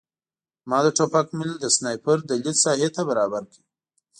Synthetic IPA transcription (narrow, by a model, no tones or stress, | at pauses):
mɑd̪əʈopakmɪld̪əsnɑjpəɾd̪əlit̪sɑhet̪abaɾɑbaɾkəi